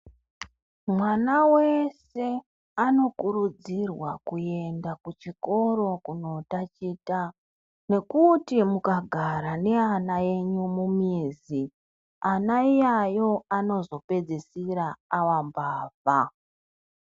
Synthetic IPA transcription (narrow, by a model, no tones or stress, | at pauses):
mwanawe̞se | ano̞kuɾud͡zirwa̰kue̞ndakut͡ʃiko̞ɾo̞kuno̞tat͡ʃiːta | ne̞kutimukaɡʱaɾane̞anaje̞ɲumumiːzi | anaijajo̞ano̞zo̞pe̞d͡zesiɾaːwambaːva